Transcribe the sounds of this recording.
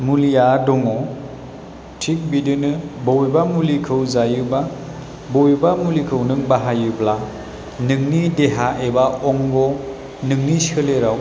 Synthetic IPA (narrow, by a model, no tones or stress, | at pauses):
mulijadɔŋɔ | tʰik̚bidɯnɯbowjbamulikʰɯwzajɯba | bojbamulikʰɯwnɯŋbaɦajɯbla | nɯŋnideɦaʔebaʔɔŋɡɔ | nɯŋnisɯleɾaw